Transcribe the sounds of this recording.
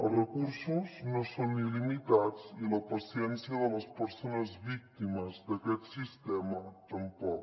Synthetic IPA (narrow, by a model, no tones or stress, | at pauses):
ərəkuɾsuznosonilimit̪at͡siləpəsjɛnsjəðələspəɾsonəzβik̚t̪iməzd̪əkɛt̪sist̪ɛmət̪əmpɔk